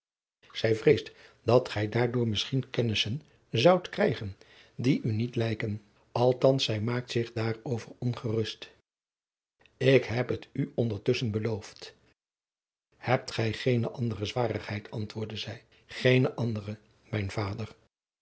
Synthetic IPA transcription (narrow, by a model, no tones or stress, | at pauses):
z̥ɛjvrejstdɑtχɛjdaːɹdʊːɹmɪsχinkɛnɪsən | zɑwtkrɛjχən | diʔynitlɛjkən | ɑlˠtɑnsɛjmaːk̚tsɪχdaːrowvərɔnχərɵst | ɪkɦɛpɦətyɔndəɹtɵsənbəlowft | hɛp̚tχɛjχejnəʔɑndərəzʋaːrəχɦɛjtʰɑntʋʊːɹdəzɛj | χejnəʔɑndərə | mɛjnv̥aːdər